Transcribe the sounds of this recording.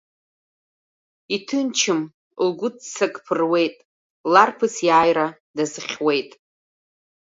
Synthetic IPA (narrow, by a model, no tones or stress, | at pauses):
itʰɨnt͡ʃʰɨm | lɡʷʊdt͡sʰakʼpʰɨrwe̞jtʼ | larpʰɨsjaːjɾa | dazɨχʲwe̞jtʼ